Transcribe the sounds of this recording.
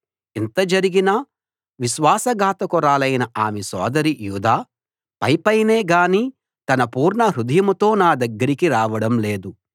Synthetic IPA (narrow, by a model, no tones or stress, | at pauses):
int̪ɐd͡ʒɐɾiɡinɐ | ʋiʃʋaːsɐɡʱaːt̪ɐkuɾaːlɐjnɐʔaːmesɔ̰ːd̪ɐɾijuːd̪aː | pɐjpɐjneːɡaːniː | t̪ɐnɐpuːɾɳɐɦɾud̪ɐjɐmt̪o̞ːnaːd̪ɐɡːɐɾikiɾaːʋɐɽɐmle̞ːd̪u